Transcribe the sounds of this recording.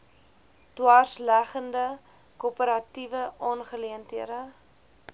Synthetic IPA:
twɑːrslæχəndə | kopəɾɐtivəʔɑːnχəliəntɦiədə

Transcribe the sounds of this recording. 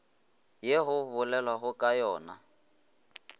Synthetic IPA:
jeɣʊβʊlɛlwaɣʊkʼajɔːna̰

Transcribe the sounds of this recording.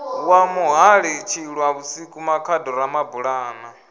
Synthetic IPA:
wamuɦaɺit͡ʃʰiɺwaβusikʼumakʰadɔɾamabuɺaːna

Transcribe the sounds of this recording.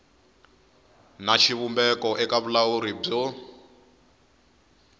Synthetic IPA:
naʃʰiβumbɛkɔʔɛkaβulawuɾib͡ʐɔ

